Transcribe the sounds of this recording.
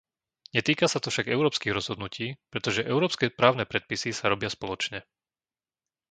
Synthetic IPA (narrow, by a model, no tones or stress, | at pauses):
ɲɛt̪iːkasat̪ɔfʃaɡɛʊɾɔːpskiːɣɾɔz̥ɦɔd̪nuciːpɾɛt̪ɔʒɛʔɛʊɾɔːpskɛːpɾaːʊnɛːpɾɛt̪̚pisisaɾɔbɪaspɔlɔt͡ʃɲɛ